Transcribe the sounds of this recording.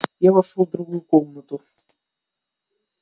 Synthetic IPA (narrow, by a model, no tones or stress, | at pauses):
javɐʂovd̪ɾʊɣujʊkomnət̪ʊ